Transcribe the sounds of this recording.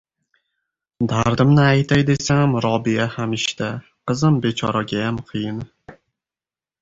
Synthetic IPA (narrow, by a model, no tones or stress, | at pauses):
d̪aɾd̪ɪmnɪajt̪ʰajd̪e̞samɾɒbiahamɪʃt̪a | qɨzɪmbe̞t͡ʃʰɒɾaɡʲajamqʰɨjɪn